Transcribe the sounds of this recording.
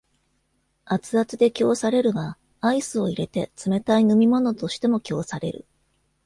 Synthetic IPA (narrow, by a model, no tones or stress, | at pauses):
at͡sɨat͡sɨd̪e̞kʲo̞ːsaɾe̞ɾɯ̟ɡa | aisɨo̞iɾe̞t̪e̞t͡sɨme̞t̪ainɯ̟mʲimo̞no̞t̪o̞ɕi̥t̪e̞mo̞kʲo̞ːsaɾe̞̰ɾɯ̟̰